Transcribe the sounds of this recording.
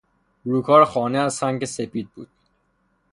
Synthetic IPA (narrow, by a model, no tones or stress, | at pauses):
ɾuːkʰɒːɾxɒːneæzsæŋɟe̞sepiːd̪̚buːd̪̥